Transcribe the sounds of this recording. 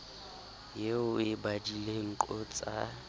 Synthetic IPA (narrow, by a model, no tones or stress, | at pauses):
jeʊɪbadileŋ̩ǃʼɔt͡sʼa̰